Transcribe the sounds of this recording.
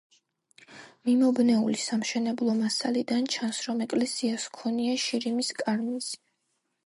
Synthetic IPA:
mimɔbnɛṵlisamʃɛnɛblˠɔmasalid̪ant͡ʃʰansɾɔmɛkʼlɛsiaskʰɔniaʃiɾimiskʼaɾmiz̥i

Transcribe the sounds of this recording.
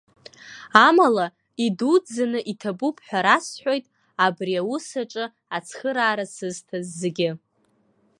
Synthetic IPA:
amala | idud͡zanɨʔitʰabupʰħʷᶣaɾasħʷᶣo̞jtʼ | abriawusaʈ͡ʂʼɨ | at͡sʰχəɾaːɾasɨztʰazːeɡʲɪ

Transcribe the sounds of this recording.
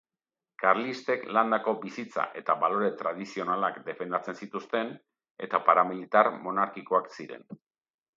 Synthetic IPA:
kaɾlist̪e̞kland̪ako̞bisit͡sa̰ʔe̞t̪aβalo̞ɾe̞t̪ɾað̞isio̞nalakd̪e̞fe̞nd̪at͡se̞nsit̪ust̪e̞n | e̞̰t̪apaɾamilit̪aɾmo̞naɾkiko̞aksiɾe̞̰n

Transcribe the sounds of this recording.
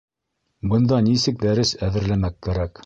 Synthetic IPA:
bɤ̆nd̪ɑnisɘk̚d̪æɾɘsæðɘ̆ɾlæmækːæɾæk

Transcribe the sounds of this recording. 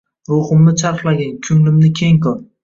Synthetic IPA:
ɾohɪmnɪt͡ʃʰaɾχlˠaɡʲankʲʰʊŋlɪmnɪkʲʰe̞ŋkʰɒɾ

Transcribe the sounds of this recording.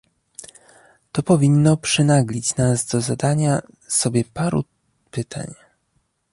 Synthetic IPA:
t̪ɔpɔvʲinːɔpʂɛnaɡlʲit͡ɕnazd̪ɔzad̪aɲa | sɔbʲjɛpaɾṵ | pɘt̪ʰa̰ɲ

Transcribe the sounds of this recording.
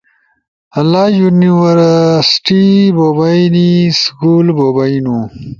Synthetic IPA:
ɐlːajuniwɐɾsʈibobajniskuːlbobainu

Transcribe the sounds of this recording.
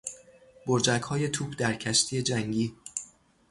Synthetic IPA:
boɾd͡ʒækhɒːje̞t̪ʰuːpʰd̪æɾcʰæʃt̪ʰiːje̞d͡ʒæŋɟiː

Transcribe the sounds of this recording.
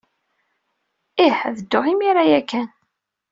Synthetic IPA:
iħðəd̪ːʊʁimiɾajækːæn

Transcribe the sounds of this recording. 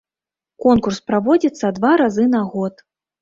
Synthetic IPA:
kɔnkurspɾavɔd͡zʲit̪sːɐd̪vaɾazɨnaɣɔt̪

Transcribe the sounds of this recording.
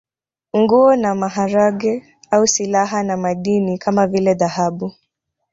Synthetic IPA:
ŋɡuɔnamaɦaɾaɠɛ | ausilaɦanamaɗinikʰamavilɛðahaɓu

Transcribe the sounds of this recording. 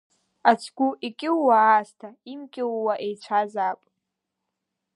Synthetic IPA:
at͡ʃʷʰɡ̥ʷuʔikʲʼɪwːaːstʰaimkʲʼɪwːaʔejt͡ʃʷʰazapʷʼ

